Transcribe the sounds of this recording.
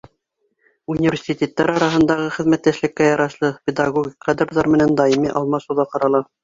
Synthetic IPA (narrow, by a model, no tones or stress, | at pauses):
unʲivʲersʲitʲet̪ːæɾɑɾɑɦɤ̆nd̪ɑʁɤχɘ̆ðmæt̪ːæʃlɘ̆kːæjɑɾɑʃlˠɤpʲed̪ɑɡoɡʲikqɑd̪rðɑɾmɘ̆nænd̪ɑimiʔɑlˠmɑʃŭwðɑqɑɾɑlˠɑ